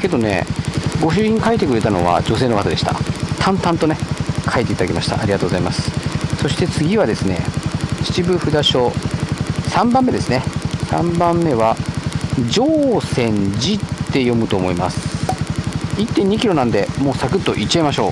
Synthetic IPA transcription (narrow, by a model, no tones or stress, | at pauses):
ke̞d̪o̞ne̞̰ɡo̞ɕ̬ɨːçĩŋkait̪ekɯ̟ɾe̞t̪ano̞β̞a̰d͡ʑo̞se̞ːno̞kat̪ad̪e̞ɕi̥t̪a̰t̪ʰãnt̪ãnt̪o̞ne̞kʰaet̪e̞it̪ad̪akʲemaɕi̥t̪a̰ʔaɾʲiɡat̪oːɡozaimasɨ̥so̞ɕi̥t̪e̞t͡sɨɡʲiβad̪e̞sɨne̞̰t͡ɕi̥t͡ɕibɯ̟ɸɯ̟d̪aɕo̞ | sãmbãmːe̞d̪e̞sɨne̞sã̰mbãmːe̞βa | d͡ʑoːsẽ̞ɲd͡ʑitt̪ːe̞jo̞mɯ̟t̪o̞ːmo̞ima̰sɨ̥ | it̪ːẽɲ̟ːikʲiɾo̞nãnd̪e̞mo̞ːsakɯ̟t̪ːo̞̰ʔit͡ɕːaemaɕo̞ː